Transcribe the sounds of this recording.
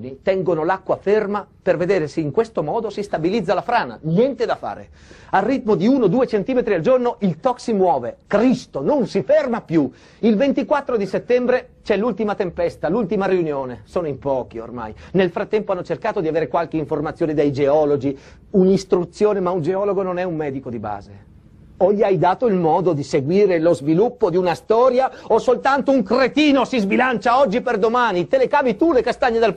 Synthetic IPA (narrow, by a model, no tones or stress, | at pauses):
nit̪ɛŋɡonolakːwafermaperved̪eːɾeseiŋkwest̪omɔːd̪osist̪abilid̪zːalafɾaːna̰njɛnt̪ed̪afa̰ːɾḛ | alrːit̪mod̪iuːnod̪uːet͡ʃent̪iːmet̪ɾiald͡ʒornoʔilt̪ɔksimwɔːvekɾist̪ononsifermapju | ilvent̪ikwat̪ːɾod̪iset̪ːɛmbɾet͡ʃɛlult̪imat̪empɛst̪alult̪imaɾiunjoːnesoːnoimpɔːk̟io̰rma̰jnelfɾat̪ːɛmpoanːot͡ʃerkaːt̪od̪iaveːɾekwalk̟eiɱformat̪sːjoːned̪ajd͡ʒeɔːlod͡ʒi | unist̪ɾut̪sːjoːnemaund͡ʒeɔːloɡononɛumːɛːd̪ikod̪iba̰ːze | oʎːiajd̪aːt̪oilmɔːd̪od̪iseɡwiːɾelozvilupːod̪iunast̪ɔːɾjaosolt̪ant̪ouŋkret̪iːnosizbilant͡ʃaɔd͡ʒːiperd̪omaːnit̪elekaːvit̪ulekast̪aɲːid̪al